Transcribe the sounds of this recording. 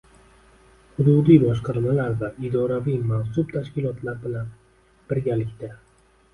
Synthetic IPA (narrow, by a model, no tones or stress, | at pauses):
hʊd̪ud̪ijbɒʃqʰɑɾmalaɾvaʔɪd̪ɒɾavijmansʊbt̪ʰaʃkʲɪlˠɒt̪ʰlaɾbɪlan | b̥ɪɾɡʲalɪkʲt̪a